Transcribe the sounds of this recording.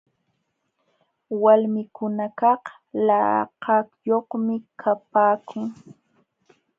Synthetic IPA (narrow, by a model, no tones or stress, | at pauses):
walmɪkʊnakɑh | lɑ̰qɑkjoχmɪkʰapaːkʰʊŋ